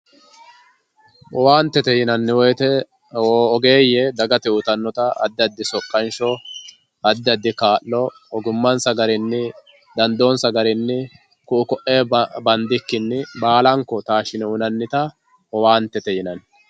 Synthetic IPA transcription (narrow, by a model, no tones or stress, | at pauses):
ʔɔwaːnt̪ːɛt̪ɛjɪnɐnːɪwɔjt̪ɛ | wɔːɔɡe̞ːjɛd̪ɐɡɐt̪ɛʊt̪ɐnːɔt̪ɐɐ̰d̪ːɪɐd̪ːɪsɔkʼːɐnʃɔ | ɐd̪ːɪɐd̪ːɪkaːʔːɔ | ɔɡʊmːɐnsɐɡɐɾɪnːɪ | d̪ɐnd̪oːnsɐɡɐɾɪnːɪ | kʊʔʊkɔʔeːbɐnd̪ɪkːɪnːɪbaːlɐŋkːɔt̪aːʃɪnɛʊnɐnːɪt̪ɐ | ɔwaːnt̪ːɛt̪ɛjɪnɐn